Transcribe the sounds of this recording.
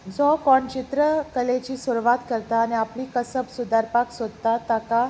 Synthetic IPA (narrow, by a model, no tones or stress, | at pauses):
d͡zɔkɔɳt͡ɕit̪ɾəkəlet͡ɕiːsuɾʋat̪kəɾt̪aːniapliːkəsəbsud̪aɾpaksod̪̚t̪at̪aka